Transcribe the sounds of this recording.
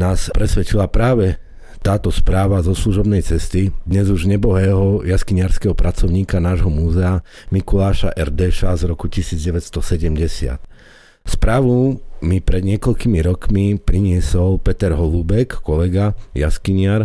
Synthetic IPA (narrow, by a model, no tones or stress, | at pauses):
naːspɾɛsʋɛt͡ʃilapɾaːʋɛ | t̪aːt̪ɔspɾaːʋazɔsluʒɔbnɛjt͡sɛst̪id̪ɲɛzuʒɲɛbɔɦɛːɦɔjaskiɲɪaɾskɛɦɔpɾʔat͡sɔʊɲiːkanaːʒɦɔmuːzɛa | mikulaːʃa̰ʔɛɾd̪ɛʃazɾɔkucisiːd͡zɟɛʋɛcst̪ɔsɛɟɛmɟɛsɪa̰t̪ | spɾaːʋumipɾɛd̪ɲɪɛkɔʎkimiɾɔkmipɾiɲɪɛsɔlpɛt̪ɛɾɦɔluːbɛkkɔlɛɡaja̰skiɲɪaɾ